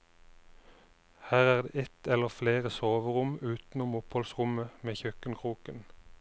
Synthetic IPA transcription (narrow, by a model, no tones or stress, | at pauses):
hæːʁæːʁd̪ḛːɛt̪ʰɛləʁfleːʁəsoːʋəʁʊmʉːt̪n̩ʊmʊphɔlsʁʊməmeːçœkənkʰʁuːkən